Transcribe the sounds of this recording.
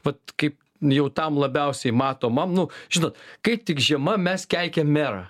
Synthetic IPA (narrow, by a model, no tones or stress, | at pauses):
ʋɐt̪̚kɐɪp | jɛʊt̪ɐmlˠɐbʲɛʊsʲɛɪmɑːt̪oːmɐmnʊʒʲɪnoːt̪kɐɪp̚t̪ʲɪkʒʲiɛmɐmʲɛskʲælʲkʲɛmmʲæːɾɑ